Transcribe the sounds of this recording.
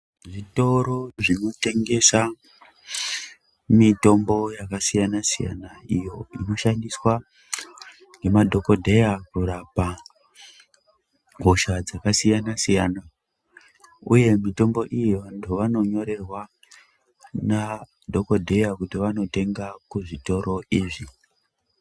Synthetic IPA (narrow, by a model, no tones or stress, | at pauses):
ʐito̞ɾo̞ʐino̞te̞ŋɡe̞sa | mito̞mbo̞jakasijanasija̰naijo̞ino̞ʃandiswa | ŋe̞madʱo̞ko̞dʱe̞jakurapa | ɡʱoʃad͡zakasijanasijaːna | uje̞mito̞mbo̞ʔijiʋantʰuʋano̞ɲo̞ɾe̞rwa | na | dʱo̞ko̞dʱe̞jakutiʋano̞te̞ŋɡakuʐito̞ɾo̞iːʐi